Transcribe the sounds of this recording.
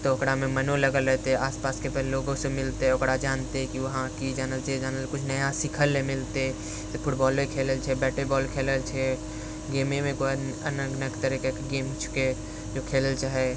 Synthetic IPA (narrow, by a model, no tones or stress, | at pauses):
t̪oːkɽamẽmənoləɡəlɾɛɦt̪eɦɛaːspaːskepɛlloːɡõsemɪlt̪eɦɛʊkɽad͡ʒaːnt̪eɦɛkiʋɐɦãkid͡ʒaːnəlt͡ʃed͡ʒaːnəlkʊt͡ʃʰnəjasɪkʰəlːẽmɪlt̪e | pʰʊʈbɔːlekʰeːləlt͡ʃʰɛbɛːʈəlbɔːlkʰeːləlt͡ʃʰɛ | ɡeːmemẽkoənəɡnəkt̪əɾɛkekɡeːmt͡ʃʰʊ̥ke | d͡ʒokʰeːləlt͡ʃʰaɦɛ